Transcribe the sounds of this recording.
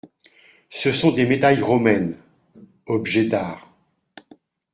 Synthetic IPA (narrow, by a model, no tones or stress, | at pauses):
səsɔ̃d̪emed̪ajʁɔmɛn | ɔbʒɛd̪aːʁ